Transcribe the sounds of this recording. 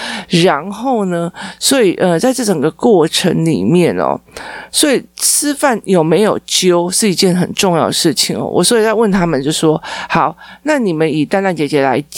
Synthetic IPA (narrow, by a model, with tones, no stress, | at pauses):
ɻa˧˦˥nxo˥˩ʊnə˧swɔ˧˥i˨˩ʔə˧t͡sa˥˧ɪʈ͡ʂɤ˥˩ʈ͡ʂə˨˩ŋɡə˩˦kwɔ˥˩ʈ͡ʂʰə˧˥ŋlḭ˨˩mjɛ˥˨˩nɔ̰˩swɔ˧˥i˨˩t͡sʰɹ̩˥fa˥˩njo˨˩ʊme˧˥ɪjo˨˩ʊt͡ɕjo˥ʊʂɻ̩˥˩i˧˥t͡ɕjɛ˥˩nxə˨˩nʈ͡ʂʊ˥˧ŋjɑ˥˩ʊd̪ə˨˩ʂɻ̩˥˩t͡ɕʰi˨˩ŋɐ̰˩wʔɔ̰˨˩swɔ˧˥i˨˩t͡sa˥˧wə˥˩˨nt̪ʰa˥mə˨nt͡ɕjo˥˧ʊʂʂwɔ˥hɑ˨˩˦ʊna˥˩ni˨˩mə˦ni˨˩t̪a˥nt̪a˥˩nt͡ɕjɛ˨˩t͡ɕjɛ˧˥la˧˦ɪ